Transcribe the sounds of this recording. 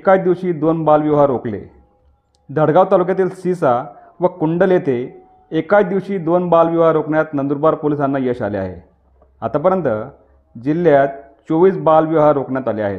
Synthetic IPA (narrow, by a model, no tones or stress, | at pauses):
ekad̪iʋɕiːd̪onbalʋjəʋɦaɾoklḛ | d̪ʱəɽɡaʋt̪alukjat̪̬iːlsisa | ʋəkuɳɖəljet̪eː | kajd̪iʋɕiːd̪onbalʋəʋɦaɾokɳjat̪nənd̪uɾbaɾpolisanːajəɕa̰lea̰ɦḛ | at̪apəɾjənt̪ə | d͡ʑilːjat̪̚ | t͡soʋiːsbalʋəʋɦaɾokɳjat̪alea̰ɦḛt̪